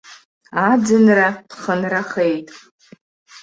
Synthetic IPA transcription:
ad͡zɨnrapʰχənraχejtʼ

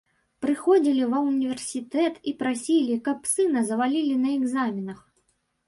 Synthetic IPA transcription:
pɾɨxɔd͡zʲilʲivɐunʲivʲɛrsʲit̪ɛt̪ipɾasʲilʲikɐpsɨnɐzɐvalʲilʲinɐɛɡzamʲinɐx

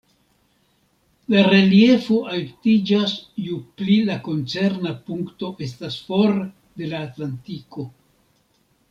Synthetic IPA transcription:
laɾe̞lje̞foʔaltid͡ʒasjuplilako̞nt͡se̞ɾnapuŋkto̞ʔe̞stasfo̞ɾ | d̪e̞laːtlantiko̞

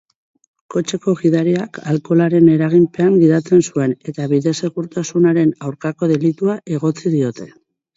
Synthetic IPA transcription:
ko̞t͡ʃe̞ko̞ɣiðaɾiakʰalko̞laɾe̞ne̞ɾaɣ̞impe̞aŋɡiðat͡se̞nsue̞ne̞t̪aβiðe̞se̞ɣuɾt̪asunaɾe̞nawɾkako̞ð̞e̞lit̪uaʔe̞ɣ̞o̞t͡sið̞io̞t̪e̞

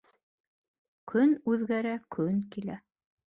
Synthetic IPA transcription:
kʰɵnʉðɡæɾækʰɵŋkilæ

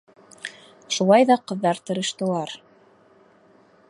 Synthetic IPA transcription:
ʃulˠɑjðɑqɤ̆ðːɑɾt̪ɤ̆ɾɤ̆ʃt̪ɤ̆lˠɑɾ

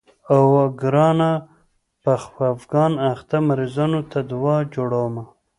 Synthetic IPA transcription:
awɡɾɑna | paxfafɡɑnaxt̪amaɾizɑnot̪ʰad̪wɑd͡ʒoɽawma

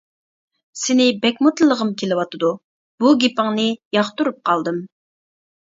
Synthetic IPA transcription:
sɪnɪbɛkʲmɨt̪lˠəlˠːəʁəmkʲʰelɪwɑt̪ɨd̪u | b̥uɡʲepəŋnɨjɑχt̪uɾup̚qʰɑlˠd̪ɨm

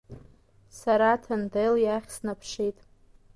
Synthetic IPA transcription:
saɾatʰandeljaχʲsnapʰʂijtʼ

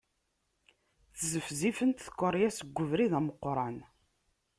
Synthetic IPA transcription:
θzəfzifənt̪θə̥kʷːəɾˤjæsəɡʷːəvɾiðæməqːɾˤɑn

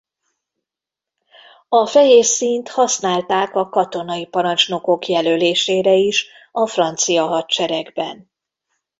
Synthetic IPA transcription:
ɒfɛɦjeːrsint̪hɒsnaːlt̪aːkɒkɒt̪o̞nɒjipɒɾɒnt͡ʃno̞ko̞kjɛløːleːʃeːɾɛiʃ | ɒfrɒnt̪sijɒɦɒt̪t͡ʃɛɾɛɡbɛn

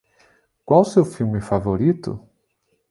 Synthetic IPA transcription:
kwawsewfiwmɪfavoɾit̪ʊ̰

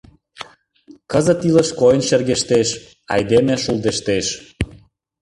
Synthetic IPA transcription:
kəzə̆t̪iləʃkojnʃerɣeʃt̪eʃ | ɑ̰jd̪emĕʃuld̪eʃt̪eʃ

